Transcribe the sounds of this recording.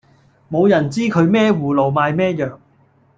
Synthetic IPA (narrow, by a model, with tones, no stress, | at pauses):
mo˨˧wjɐ˨˩nt͡siː˥kʰɵ˨˧ɥmɛː˥wuː˨˩lo˨˩wmaː˨˧jmɛː˥jœː˨˩ŋ